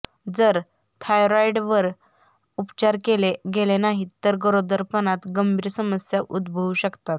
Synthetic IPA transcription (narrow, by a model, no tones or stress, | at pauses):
d͡zəɾ | t̪ʰajɾajɖʋəɾ | upt͡ɕaɾkeleɡelenaɦit̪əɾɡəɾod̪əɾpənat̪ɡəmbʱiːɾsəməsjaʔud̪bʱəʋɕəkt̪at̪